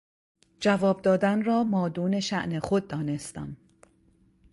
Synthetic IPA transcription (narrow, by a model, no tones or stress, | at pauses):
d͡ʒævɒːb̚d̪ɒːd̪ænrɒːmɒːd̪uːne̞ʃæʔnexod̪̚ːɒːne̞st̪æ̰n